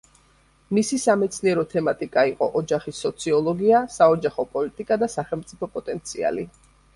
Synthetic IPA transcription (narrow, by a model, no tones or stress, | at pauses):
misisamɛt̪sʰniɛɾɔt̪ʰɛmat̪ʼikʼaiqʼɔ̰ʔɔd͡ʒaχisːɔt̪sʰiɔlˠɔɡiasaɔd͡ʒaχɔpʼɔlit̪ʼikʼad̪asaχɛlˠmt̪sʼipʰɔpʼɔt̪ʼɛnt̪sʰia̰li